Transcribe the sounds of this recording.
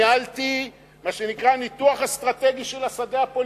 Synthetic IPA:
alt̪i | maʃenikʁanit̪uaχast̪ʁat̪e̞ɡiʃelasadeapol

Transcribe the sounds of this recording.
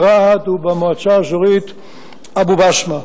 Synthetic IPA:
ʁahat̪ubamoat͡saʃoʁit̪ | abubaʃma

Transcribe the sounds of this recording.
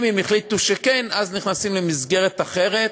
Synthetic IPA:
mimiχlit̪uʃekenazniχnasimlemizɡe̞ʁet̪aχeʁet

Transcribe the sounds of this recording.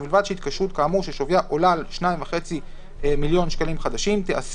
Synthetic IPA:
bilvad̪ʃeit̪̚kaʃʁut̪̚kaːmuʃeʃovjaʔolalʃnaimvaχe̞t͡si | miljo̞nʃkalimχad̪aʃimt̪eʔas

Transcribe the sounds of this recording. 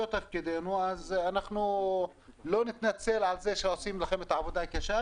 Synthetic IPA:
ot̪afkɪd̪eːnuʔaznaħnu | loːnɪt̪nat͡sːalʕalzeːʃɑːsˤiːmlaxamɪt̪ʕabʊd̪hakaʃa

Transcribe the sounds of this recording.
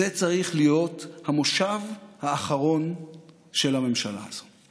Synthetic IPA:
et͡saʁiχlijo̞thamoʃavhaːχaʁo̞n | ʃelame̞mʃala̰az̥o̞

